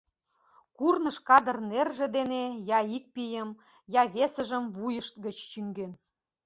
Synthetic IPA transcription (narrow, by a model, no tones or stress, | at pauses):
kurnə̆ʃkɑd̪ə̆rnerʒĕd̪enejɑik̚pijə̆m | jɑβesə̆ʒəmvujə̆ʃt̪̚ɡə̆t͡ɕt͡ɕyŋɡen